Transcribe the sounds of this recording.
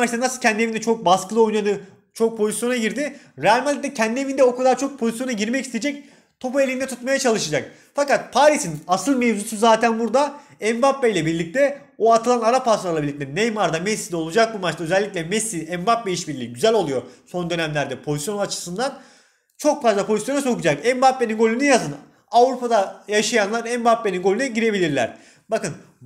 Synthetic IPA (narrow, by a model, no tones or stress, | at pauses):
mat͡ʃt̪anasɯlˠcʰɛnd̪ievind̪ɛt͡ʃʰo̞k̚baskɯlˠɯo̞jnad̪ɯ | t͡ʃʰo̞k̚pʰo̞zisjo̞naɟiɾd̪ɪ | ɾeælʲmalʲd̪ɛcʰɛnd̪ievind̪ɛo̞kad̪aɾt͡ʃʰo̞k̚pʰo̞zisjo̞naɟiɾmɛcist̪ed͡ʒɛc̚ | t̪ʰo̞paelʲind̪ɛt̪ʰut̪majat͡ʃʰalˠɯʃad͡ʒak̚ | fakat̪̚pʰaːɾisinasɯlˠmevd͡ʒusuzaːt̪ʰænbuɾd̪a | ɛmbapbejlʲɛbiɾlʲic̚t̪ɛ | oat̪ʰɯlˠanaɾapʰaslˠaɾlˠabilʲːict̪ɛnejmaɾd̪amɛsːid̪ɛo̞lˠud͡ʒak̚bumat͡ʃt̪aøzɛlʲːicʲlʲɛmɛsiɛmbapbeiʃbiɾlʲiɟyzælʲo̞lˠujo̞so̞nd̪ø̞næmlʲæɾd̪ɛpʰo̞zisjonat͡ʃʰɯ̥sɯnd̪an | t͡ʃʰo̞kfazlˠapʰo̞zisjo̞naso̞kud͡ʒakɛmbapːeninɡo̞lʲynyjazɯn | avɾupad̪ajaʃajanlˠaɾɛmbapːe̞ninɡolʲynɛɟiɾe̞bilʲiɾlʲæ̰ɾ̥ | bakɯn